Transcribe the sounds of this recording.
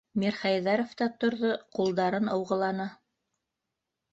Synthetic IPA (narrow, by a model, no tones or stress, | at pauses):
mʲiɾχɑjðɑɾoft̪ɑt̪ŏɾðoqulˠd̪ɑɾɤnɤ̆wʁɤ̆lˠɑnɤ